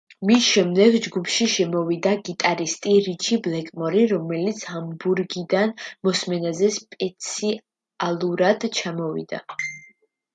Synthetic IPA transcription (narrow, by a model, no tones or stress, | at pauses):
misʃɛmd̪ɛɡd͡ʒɡupʰʃiʃɛmɔvid̪aɡit̪ʼaɾist̪ʼiɾit͡ʃʰiblɛkʼmɔɾiɾɔmɛlit̪sʰhambuɾɡid̪anmɔsmɛnazɛspʼɛt̪sʰi | alˠuɾad̪̥t͡ʃʰamɔvḭd̪a̰